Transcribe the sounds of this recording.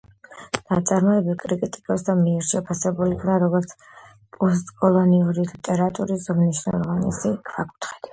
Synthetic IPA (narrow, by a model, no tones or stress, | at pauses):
n̥at̪sʼaɾmɔɛbilkʼɾikʼit̪ʼikʼɔsd̪amiɛɾʃɛpʰasɛbulikʰnaɾɔɡɔɾt̪sʰ | pʼɔst̪ʼkʼɔlˠɔniuɾilit̪ʼɛɾat̪ʼuɾiszɔmniʃnɛ̰lˠɔvanḭsikʰvakʼu̥t̪ʰχɛ̥d̪̥i